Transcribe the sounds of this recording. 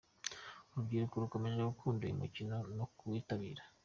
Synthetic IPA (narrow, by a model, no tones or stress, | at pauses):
uɾubɡiːɾukoɾuko̞me̞ʒeɡukʰuːnduḭmḭcino̞nokuwiːtaβiːɾḁ